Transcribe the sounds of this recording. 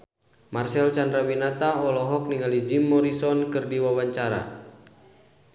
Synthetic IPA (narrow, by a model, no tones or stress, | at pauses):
marsɛlt͡ʃandɾawinat̪aɔlɔɦɔk̚niŋalid͡ʒimːɔɾisɔnkɨrdiwawaɲt͡ʃaɾa̰